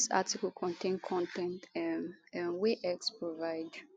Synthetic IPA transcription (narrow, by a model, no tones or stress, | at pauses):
sa̰tikəlkʰɔ̃ntʰẽnkʰɔ̃ntɛ̃nt | ɛ̃nweʔɛkspɹovaɪd